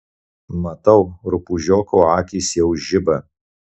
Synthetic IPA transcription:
mɐt̪ɐʊɾʊpuʒʲoːkoːɑːkʲiːsjɛʊʒʲɪbɐ

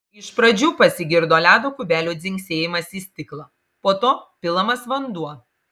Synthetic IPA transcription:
ɪʃpɾɐd͡ʒʲuːpɐsʲɪɡʲɪɾd̪oːlʲæːd̪oːkʊbʲæːlʲuːd̪zʲɪŋʲksʲeːjɪmɐsiːsʲt̪ʲɪklˠɑː | poːt̪oːpʲɪlˠɐmɐsʋɐnd̪uɔ

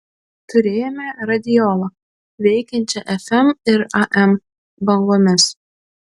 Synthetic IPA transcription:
t̪ʊɾʲeːjɛmʲɛɾɐd̪ʲɪjɔlˠɐ | ʋʲɛɪkʲɛnʲt͡ʃʲɛʔɛfʲɛmɪɾɐʔɛm | bɐlɡoːmʲɪs

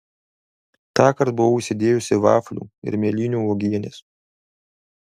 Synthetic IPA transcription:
t̪ɑːkɐɾt̪̚bʊʋɔʊʃʲsʲɪd̪ʲeːjʊsʲɪʋɑːfʲlʲṵːɪ̰ɾmʲiɛlʲiːnʲuːoːɡʲiɛnʲḛs

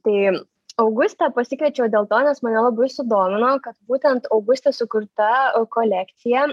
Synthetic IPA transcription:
t̪ɐɪ | ɐʊɡʊst̪ɑpɐsʲɪkʋʲɛt͡ʃʲɛːd̪ʲeːlˠt̪oːnʲɛsmɐnʲɛlˠɐbɐɪsʊd̪oːmʲɪnoːkɐt̪buːt̪ʲɛnt̪ɐʊɡʊsʲt̪ʲeːsʊkʊɾt̪ɐkoːlʲæːkt̪sʲɪjɛ

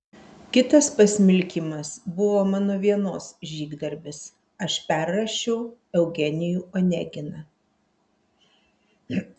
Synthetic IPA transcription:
kʲɪt̪ɐspɐsʲmʲɪlʲkʲimɐsbʊʋoːmɑːnoːʋʲiɛnoːsʒʲiːɡd̪ɐɾʲbʲɪs | ɐʃpʲæˑɾːɐʃʲɛʊɛʊɡʲɛnʲɪjuːɔnʲɛ̰ɡʲɪnɐ

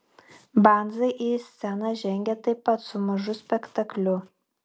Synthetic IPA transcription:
bɑˑnd̪zɐɪʔisʲsʲɛnɑʒʲɛŋʲɡʲɛt̪ɐɪpːɐt̪sʊmɐʒʊsʲpʲɛkt̪ɐklʲʊ

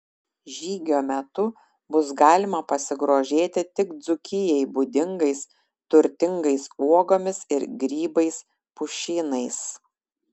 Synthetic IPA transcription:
ʒʲiːɡʲoːmʲɛt̪ʊ | bʊs̬ɡɑːlʲɪmɐpɐsʲɪɡɾoːʒʲeːt̪ʲɪt̪ʲɪkd̪zʊkʲɪjɛɪbʊd̪ʲɪŋɡɐɪs | t̪ʊɾʲt̪ʲɪŋɡɐɪsuɔɡoːmʲɪsɪɾɡɾʲiːbɐɪs | pʊʃʲiːnɐɪs

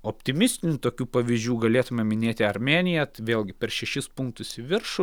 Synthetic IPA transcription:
oːpʲt̪ʲɪmʲɪsʲt̪ʲɪnʲuːt̪oːkʲuːpɐʋʲiːzʲd͡ʒʲuːɡɐlʲeːt̪ʊmʲɛmʲɪnʲeːt̪ʲɪɐɾmʲeːnʲɪjɛt̪ʋʲeːlʲˠɡʲɪpʲɛɾʃʲɛʃʲɪspʊŋkt̪ʊsʲɪʋʲɪɾʃʊ

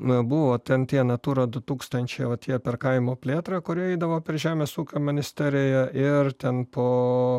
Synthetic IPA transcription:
bʊʋoːt̪ʲɛnt̪ʲiɛnɐt̪uːɾɐd̪ʊt̪uːkst̪ɐnʲt͡ʃʲɛjʋɐt̪ʲiɛpʲɛɾkɐɪmoːpʲlʲeːt̪ɾɑkʊɾʲiɛɪd̪ɐʋoːpʲɛɾʒʲæːmʲeːsuːkʲoːmʲɪnʲɪsʲt̪ʲæɾʲɪjɛʔɪrt̪ʲɛnpoː

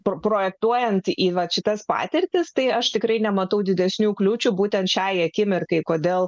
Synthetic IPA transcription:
ppɾoːjɛk̚t̪uɔjɛnt̪iːʋɐʃʲɪt̪ɐspɑ̰ːt̪ʲɪrʲt̪ʲɪst̪ɐɪɐʃt̪ʲɪkɾɐɪnʲɛmɐt̪ɐʊd̪ʲɪd̪ʲɛsʲnʲuːklʲuːt͡ʃʲubuːt̪ʲɛnt̪ʃʲæɪɐkʲɪmʲɪrkɐɪkoːd̪ʲeːlˠ

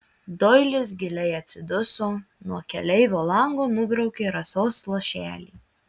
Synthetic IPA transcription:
d̪ɔɪlʲɪs̬ɡʲɪlʲɛɪɐt̪ʲsʲɪd̪ʊsoː | nuɔkʲɛlʲɛɪʋʲoːlˠɐŋɡoːnʊbʲɾɐʊkʲeːɾɐsoːslˠoːʃʲæ̰ːlʲḭː

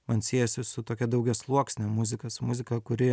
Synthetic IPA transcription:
mɐnsʲiːjɛsʲɪsʊt̪oːkʲɛd̪ɐʊɡʲɛslˠuɔksʲnʲemʊzʲɪkɐsmʊzʲɪkɐkʊɾʲɪ

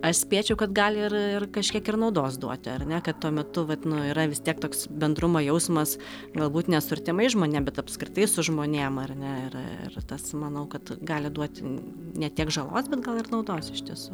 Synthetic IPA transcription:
ɐʃsʲpʲiɛt͡ʃʲɛʊkɐt̪ɡɑːlʲɪɪrɪrkɐʃʲkʲiɛkɪrnɒʊd̪oːsd̪uɔt̪ʲɐrnʲɛkɐt̪t̪uɔmʲɛt̪ʊʋɐt̪nʊiːɾɐʋʲɪst̪ʲiɛk̚t̪oːksbʲɛnd̪ɾʊmojɛʊsmɐs | ɡɐlˠbuːt̪nʲɛsʊɐɾʲt̪ʲɪmɐɪʒmoːnʲeːmbʲɛt̪ɐpskɾʲɪt̪ɐɪsʊʒmoːnʲeːmɐrnʲɛɪ̰rɪ̰rt̪ɐsmɐnɐʊkɐt̪ɡɑːlʲɪd̪uɔt̪ʲ | nʲɛt̪ʲiɛkʒɐlˠo̰ːsbʲɛt̪ɡɐlˠɪrnɐʊd̪oːsɪʃʲt̪ʲiɛsu

